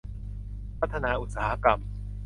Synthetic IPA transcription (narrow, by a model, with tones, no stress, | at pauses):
pʰɾa˦˥t̪ʰːa˧naː˧ʔu˨˩t̪̚saː˦ha˦˥ka˧m